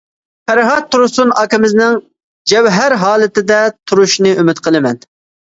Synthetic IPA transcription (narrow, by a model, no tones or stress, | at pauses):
pʰæɾɦɑt̪ʰːuɾusunɑkʲɪmɪznɪŋ | d͡ʒɛwɦæɾɦɑːlˠɨt̪ɪd̪ɛt̪ʰuɾuʃnɨymɪt̪qʰəlˠɨmɛn